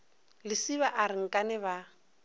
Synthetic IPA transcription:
lɪsiβaʔaɾɪŋ̩kʼanɛβa

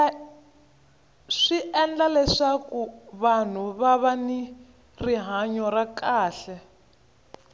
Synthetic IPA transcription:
ʂiʔɛnd͡ɮalɛʂakuβan̤uβaβani | riɦaɲɔɾakaːɬɛ

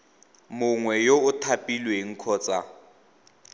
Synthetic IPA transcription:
mʊŋwɛjoʊtʰapʼilweŋ̩kʰɔːt͡sʼa

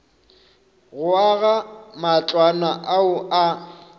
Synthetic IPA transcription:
ɣʊaɣamat͡ɬʼwanaʔaʊa

